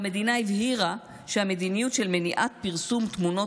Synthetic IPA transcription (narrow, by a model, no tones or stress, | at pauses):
ame̞d̪inaivhiʁa | ʃeame̞d̪inijutʃe̞lmeniʔat̪̚piʁsumt̪muno̞